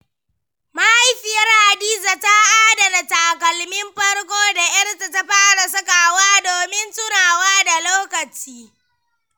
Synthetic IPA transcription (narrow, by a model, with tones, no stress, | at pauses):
ma˦ha˦jɸɪ˨jɐ˦rha˨diː˦za˨ta˦ʔaː˦da˨da˨ta˨kɐ˨lmɪ˦mɸɐ˦rkʷoː˦da˨jɐ˦rta˨ta˦ɸaː˦ɽa˨s̬ɐ˦ka˨waː˦doː˨mɪ˦nsʊ˦naː˨waː˦da˨loː˦kɐ˨t͡ʃiː˦